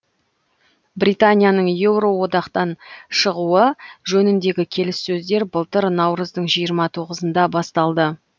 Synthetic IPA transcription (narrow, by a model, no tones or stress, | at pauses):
brijt̪anʲijanəɴje̞wɾo̞wo̞d̪ɑqt̪ɑnʃəʁuəʒɵnɪnd̪e̞ɡʲɪkʲʰe̞lɪsːɵzd̪e̞ɾbəlˠt̪əɾnɑwɾəzd̪əɴʒijəɾmɑt̪ʰo̞ʁəzənd̪ɑbɑst̪ɑlˠd̪ə